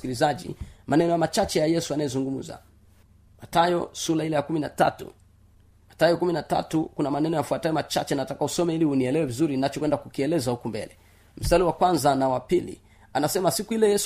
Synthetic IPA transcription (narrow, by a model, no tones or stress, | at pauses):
kilizaʄḭmanɛnɔjamat͡ʃat͡ʃɛjajɛsuanajɛzuŋɡumm̩za̰ | matajɔsulailɛjakuminata̰tṵ | matajɔkuminata̰tukunamanɛnɔjafuatajɔmat͡ʃa̰t͡ʃɛnatakahusɔmɛilihuniɛlɛwɛvizuɾinat͡ʃɔkwɛndakukiɛlɛzahukumbɛ̰lɛ | m̩saliwakwanzanawapilḭ | anasɛmasikuilɛjɛs